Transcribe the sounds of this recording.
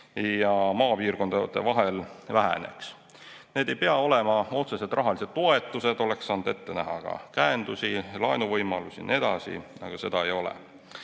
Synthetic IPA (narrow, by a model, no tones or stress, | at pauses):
jɑmɑːpiːrko̞nd̪ɑd̪̥e̞vɑɦe̞lvæɦæ̰ne̞̰ks | neːd̪e̞jpeɑo̞le̞mɑo̞t̪se̞set̪rʔɑɦɑlise̞d̪̥t̪o̞e̞t̪ːˑuse̞d̪o̞le̞ksːɑnud̪e̞t̪ːe̞næɦɑkɑ̰kæend̪̥usilɑjnuvɤjmɑlusʲḭne̞d̪̥ɑsḭnɑɡ̥use̞d̪̥ɑe̞jo̞lḛ